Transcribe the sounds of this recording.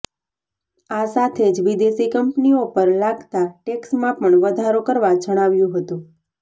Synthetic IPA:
asat̪ʰed͡ʒʋid̪esikəmpniopəɾlaɡt̪aʈeksmãpəɳʋəd̪ʱaɾokəɾʋad͡ʒəɽ̃aʋjũɦət̪ũ

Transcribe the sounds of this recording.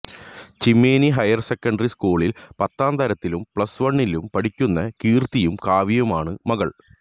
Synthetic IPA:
t͡ɕimːeːniɦɐjɐrsekːɐɳɖɐriskuːɭilpɐt̪ːaːnt̪ɐɾɐt̪ːilumpɭɐsʋɐɳːilumpɐɽikʲːunːɐkiːrt̪ːijumkaːʋijɐmaːɳɨmɐɣɐɭ

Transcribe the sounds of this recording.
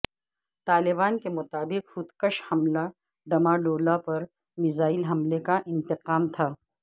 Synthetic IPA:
t̪aːlɪbaːnkemʊt̪aːbɪqhʊt̪kəʃhɐmla | ɖɐmaɖoːlapɐɾ | mɪzaːɪlɦɐmlekaʔɪ̃nt̪ɪqaːmt̪ʰaː

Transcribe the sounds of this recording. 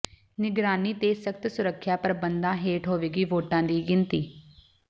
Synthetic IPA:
nɪɡɾaːniːt̪eːsəkt̪sʊɾəkʰːjaːpəɾəbənd̪ãːɦeːʈɦoːʋeːɡiːʋoːʈãːd̪iːɡɪnt̪iː

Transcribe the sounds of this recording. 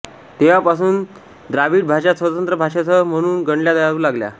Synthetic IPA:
t̪eʋapasuːn | d̪ɾaʋiːʈbʱaɕasʋət̪ənt̪ɾəbʱaʂat͡səm̤əɽ̃uːnɡəɳljad̪əjaɾuːlaɡlja̰

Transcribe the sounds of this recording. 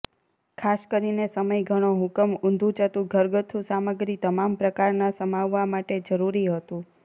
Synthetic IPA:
kʰaskəɾinesəməjɡʱəɽ̃oɦʊkəmʊ̃nd̪ʱũt͡ʃət̪ũɡʱəɾɡət̪ʰusaməɡɾit̪əmampɾəkaɾnasəmaʋːamaʈed͡ʒəɾuɾiɦət̪ũ

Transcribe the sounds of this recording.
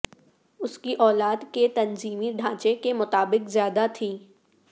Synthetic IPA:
ʊskiʔɔːlaːd̪ket̪ɐnziːmiɖʱãːt͡ʃekemʊt̪aːbɪkzjaːd̪at̪ʰiː

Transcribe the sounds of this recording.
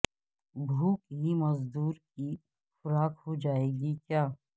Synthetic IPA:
bʱuːkɦimɐzd̪uːɾki | xʊɾaːkhod͡ʒaːeːɡikjaː

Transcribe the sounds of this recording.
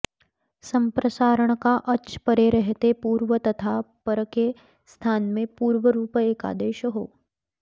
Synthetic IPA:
səmpɾəsaːɾəɳ̃kaʔɐt͡ʃpəɾeɾəɦt̪epuːɾʋət̪ɐt̪ʰapəɾəke | st̪ʰaːnmẽpuːɾʋəɾuːpeːka̰ːd̪eːʃɦo̰ː

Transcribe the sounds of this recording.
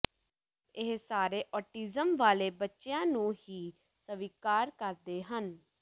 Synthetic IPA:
ɪɦsaːɾeːʔɔːʈiːzəmʋaːleːbətːʃejãːnũːhiː | səʋiːkaːɾkəɾd̪eːɦən

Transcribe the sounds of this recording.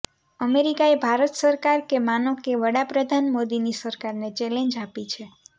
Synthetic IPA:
əmeɾikaebʱaɾət̪səɾkaɾkemanəkeʋəɽapɾəd̪ʱanmod̪inisəɾkaɾnet͡ʃelẽɲd͡ʒapit͡ʃʰe

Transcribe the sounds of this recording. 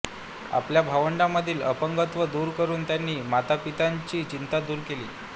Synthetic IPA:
a̰pljabʱaʋəɳɖamːəd̪ʱiːlə̰pəŋɡət̪ʋəd̪uːɾkəɾuːnt̪janːiːmat̪apit̪aɲt͡ɕiːt͡ɕint̪ad̪uːɾkelḭː

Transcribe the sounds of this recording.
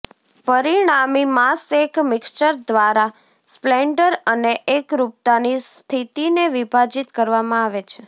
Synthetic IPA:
pəɾiɽ̃amimasekmɪkst͡ʃəɾd̪ʋaɾa | spleɳɖəɾəneʔekɾup̚t̪anist̪ʰit̪ineʋibʱad͡ʒit̪kəɾʋamãaʋet͡ʃʰe

